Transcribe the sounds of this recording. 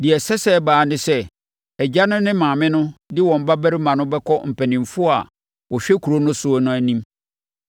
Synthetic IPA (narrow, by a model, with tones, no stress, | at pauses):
di˨ɛ˨sɛ˦sɛ˦˨baː˨nɪ̃˦sɛ˦ | ɛ˨d͡ʑa˦nʊ̃˦nɪ̃˦mãː˨mɪ̃˦nʊ̃˦dɪ˦wɔ̃˨m̩˨ba˦bæ˦ɾi˦mã˨nʊ̃˦bɛ˦kʰɔ˦m̩˨pʰæ˨nĩ˨m˨fʊ˦˨a̰˨ | wɔ˨ɕᶣɛ˦kʰu˨ɾo˦nʊ̃˦sʊ˦ɔ˦nʊ̃˦æ˨nĩ˦m